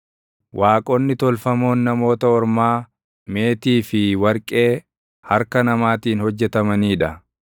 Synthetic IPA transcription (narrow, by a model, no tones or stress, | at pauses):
wʔaːkʼonːɪt̪ɔlfɐmo̞ːnːɐmo̞ːt̪ɐɔɾmaː | me̞ːt̪iːfɪwɐɾkʼe̞ː | hɐɾkɐnɐmaːt̪iːnhɔd͡ʒːɛt̪ɐmɐniːᶑɐ